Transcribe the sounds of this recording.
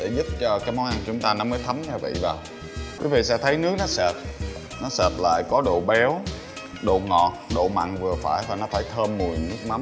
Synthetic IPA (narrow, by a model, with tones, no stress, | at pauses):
ɗe˧˩zu˦˥p̚t͡ɕɔ˧kaː˨˦jmɔ˨˦nʔa˧nt͡ɕʊ˨˦ŋ͡mt̪aː˧nɔ˨˦məː˨˦jt̪ʰə˨˦mɲaː˧vḭ˧˨vaː˨˩w | kwi˨˦vḭ˧˨sɛ̰˧˥t̪ʰə˨˦jnɨ˦ək̚nɔ˨˦səː˨˩t̚ | nɔ˨˦sɛː˨˩t̚la̰ː˧˨jkɔ˨˦ɗo̰˧˨ɓɛ˨˦w | ɗo̰˧˨ŋɔ˧˨˩t̚ɗo̰˧˨ma̰ː˧˨nvɨ˨˩əfaː˧˩jvaː˨˩nɔ˨˦faː˧˩jt̪ʰəː˧mːu˨˩əjnɨ˦˥ək̚ma˨˦